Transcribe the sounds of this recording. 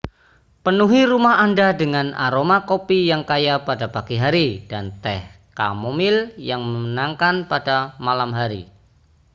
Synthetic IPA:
pənuɦiɾumaɦandadəŋana̰ɾomakopijaŋkajapadapaɡiɦaɾid̥ant̪ɛh | ka̰momɪljaŋməmənaŋkanpadamalamɦaɾḭ

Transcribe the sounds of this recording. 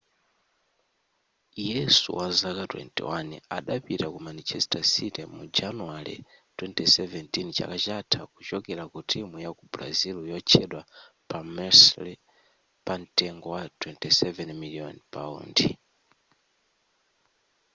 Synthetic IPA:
jɛsṵwazakatwɛ̰ntḭwania̰ɗapitakumanit͡ʃɛstasitɛmud͡ʒanuwaɾḭtwɛntisɛvɛntint͡ʃa̰kat͡ʃatʰakut͡ʃɔkɛɾakutʰimujakubɾa̰ziljɔt͡ʃʰɛɗwa | pamɛsli | pantɛŋɡɔwatʰwɛntisɛvɛnmiliɔ̰npaṵːndḭ

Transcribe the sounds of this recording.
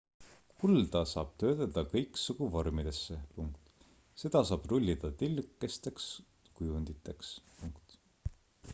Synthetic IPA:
kʰuld̪ɑsɑ̰ːb̥̚t̪ø̞ːt̪ɑd̪ɑkɤjksuɡuvo̞rmid̪̥e̞sːe̞puŋkt̪ | se̞d̪̥ɑsɑːb̥rulʲːid̪̥ɑt̪ilːkːˑe̞st̪e̞ks | kujund̪̥it̪ːˑe̞kspuŋkt̪

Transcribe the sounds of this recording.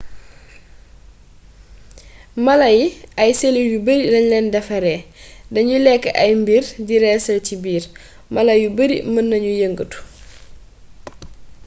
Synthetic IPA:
mɐlɐjiɐjselijubəɾilɐɲlɛndɐfɐɾɛːdɐɲulɛkːəʔɐjmbirdiɾɛːsɐlcibiːr | mɐlɐjubəɾḭmɐnːɐɲujəŋɡətu̥

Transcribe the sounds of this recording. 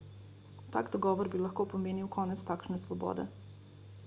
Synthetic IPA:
t̪a̰ːɡd̪ɔɡɔːʋɔɾbilaxkoːpomeːniwkʰɔːnɛt̪st̪akʃnɛsʋɔbɔ̰ːd̪ɛ̰

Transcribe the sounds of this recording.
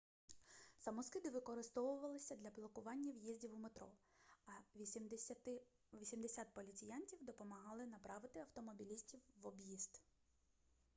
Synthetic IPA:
sɐmɔskɪd̪ɪʋɪkɔɾɪst̪ɔʋʊʋɐlˠɪsʲɐd̪lʲɐblˠɔkʊʋɑnʲːɐwjizʲdʲiwumet̪ɾɔ | ɐ | ʋʲisʲimd̪esʲat̪̚pɔlʲit͡sʲɪjɑnʲtʲiwd̪ɔpɔmɐɦɑlˠɪnɐpɾɑʋɪt̪ɪɐwt̪ɔmɔbʲilʲisʲtʲiwːɔbjizd̪

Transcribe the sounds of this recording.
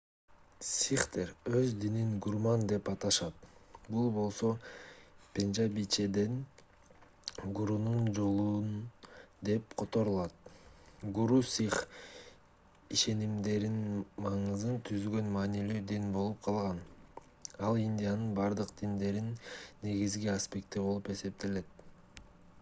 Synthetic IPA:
sʲiχt̪ʰeɾøzd̪ininɡuɾmɑnd̪e̞pɑt̪ɑʃɑt̪bulˠbo̞lˠso̞ | pʲe̞nʒabit͡ʃed̪en | ɡuɾunund͡ʒo̞lˠuːnd̪e̞pqʰo̞t̪o̞ɾulˠɑt̪̚ | ɡuɾusʲiχ | iʃe̞nimd̪e̞ɾinmɑɴɯzɯnt̪ʰyzɡø̞nmɑːnilyːd̪inbo̞lˠup̚qʰɑlˠʁɑn | ɑlˠinʲd̪ʲijanɯnbɑɾd̪ɯqd̪̥ind̪e̞ɾinːe̞ɡizɡiaspʲe̞k̚t̪ːibo̞lˠupe̞se̞p̚t̪e̞le̞t̪̚

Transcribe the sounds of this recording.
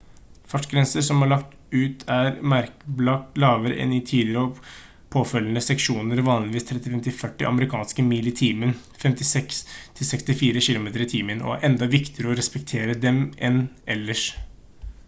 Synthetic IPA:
fɑʈɡɾɛnsəɾsɔmhɑɭɑkt̪ | ʉːt̪ʰæɾmæɾkəblɑk̚t̪lɑːʋəɾə̰ʔɛ̰nɪt̪ʰiːlɪəɾɔ | pʰoːfœlːənəsɛkʃuːnəɾʋɑːnlɪʋiːst̪ʰɾɛt̪ɪfɛmt̪ɪfœʈːɪ̰ʔɑ̰məɾɪkʰɑːnskəmiːlɪt̪ʰiːmən | fɛmt̪ɪsɛkst̪ʰɪlsɛkst̪ɪfiːɾəɕɪlʊmeːt̪əɾɪt̪ʰiːmənʔɔ̰æ̰ɾʔɛnd̪ɑʋɪkt̪ɪəɾəɔɾɛspɛk̚t̪ʰeːɾəd̪ɛmʔɛnʔɛlːəʂ

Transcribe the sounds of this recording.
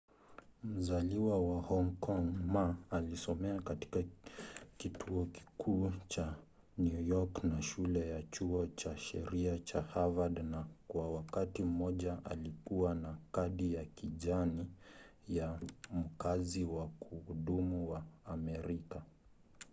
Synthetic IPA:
m̩zaliwawahɔŋkʰɔŋmaalisɔmɛakati̥ka | kitʰuɔki̥kʰuːt͡ʃa | njujɔknaʃulɛjat͡ʃuɔt͡ʃaʃɛ̰ɾiat͡ʃahavadnakwawakatim̩mɔʄaʔalikuwanakaɗijakiʄanijam̩kaziwakuhuɗumuwaːmɛɾika

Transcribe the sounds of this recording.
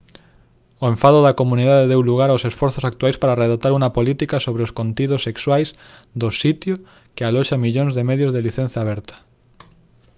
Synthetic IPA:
oẽɱfaðʊðɐkomũniðaðeðewluɣaɾaosesfɔɾθosak̚t̪wajspaɾareðat̪aɾuŋɐpolit̪ikasoβɾeoskont̪iðʊsːekswajs | d̪osit̪jʊ | kealɔʃamiʎõŋzðemeðjozðeliθẽn̟θjaːβɛɾt̪ɐ̥

